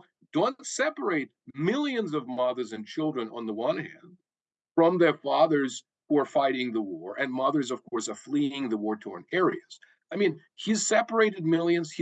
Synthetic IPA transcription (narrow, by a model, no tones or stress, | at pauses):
d̥õʊ̃ntsɛpə˞eɪt̚mɪlˠjɨ̃nzʌvmʌðə˞zɨ̃nt͡ʃʰɪlˠdɹɨ̃nə̰̃nðəwʌ̃nhæ̰̃nd̥ | fɹʌ̃mðə˞fɑðə˞z̥ | huə˞faɪɾɪ̃ŋðəwɔɹʔɨ̃nmʌðə˞zʌv̥kʰɔɹsə˞fliɪ̃ŋðəwɔɹtʰɔ̰ɹnɛɹiɨz̥ | aɪmĩn | hiz̥sɛpə˞eɪɾɨd̚mɪlˠjɨ̃nz̥hi